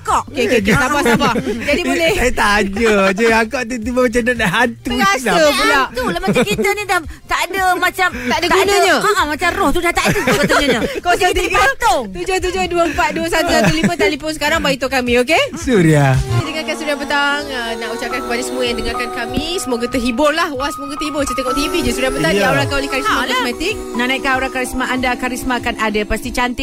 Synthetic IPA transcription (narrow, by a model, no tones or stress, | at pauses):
kɔʔokekkt̪apasabpad͡ʒadibolɛhat̪ad͡ʒəd͡ʒaakɔʔt̪ut̪̬ibamat͡ʃadadaɦant̪uaasəpulaʔt̪uləmakit̪ənidaht̪aʔadəmat͡ʃamt̪adatanəɲə̃kaʔamat͡ʃamrɔht̪udaht̪aʔadəɡbət̪ɲəɲãkaãsət̪iiɡaət̪ot̪ud͡ʒoht̪̬ud͡ʒohduəəmpat̪̚duəsat̪usat̪ulimə̃t̪alipʊnsə̥kaɾaŋbait̪okamĩok̬esuɾiaanidəŋakansuɾiabət̪aŋənaʔut͡ʃakankəpadasəmuəjaŋdəŋarkankamĩsəmoɡət̪əɦibʊrlahwasəmuəɡət̪əhibʊrt͡ʃit̪əkɔʔt̪ivid͡ʒasuɾiabət̪aŋaoɾakanolehkaɾismalismat̪ik̚nanajkanoɾakaɾismaʔandakaɾismaːkanadapast̪it͡ʃant̪i